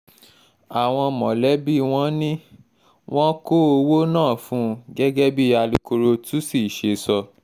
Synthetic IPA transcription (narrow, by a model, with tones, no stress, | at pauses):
a˨w̃ɔ̃˧mɔ̃˨lɛ˨˦bi˦˨w̃ɔ̃˦nĩ˦ | w̃ɔ̃˦ko˦o˧wo˦nãː˦˨fũ˨˦ɡɛ˦ɡɛ˦bi˦˨a˧li˧ko˧ɾo˧tʰu˦si˦˨ʃe˧sɔ˧